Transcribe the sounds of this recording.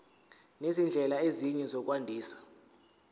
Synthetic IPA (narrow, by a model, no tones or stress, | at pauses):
nezind͡ɮʱɛlaeziɲɛzɔk̬ʼwandʱiːsḁ